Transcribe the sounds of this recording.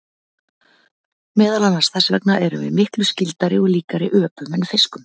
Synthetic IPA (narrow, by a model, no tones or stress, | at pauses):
mɛːðalanːasθɛsvɛknaʔɛɾʏvɪ̰ðmɪhklʏscɪlt̪aɾɪɔɣliːkaɾɪʔœːpʏmɛnfɪskʏm